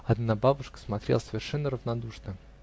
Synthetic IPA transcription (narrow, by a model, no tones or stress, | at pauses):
ɐd̪nababʊʂkə̥smɐt̪ɾʲḛlˠəsəvʲɪrʂɛnːəɾəvnad̪uʂnə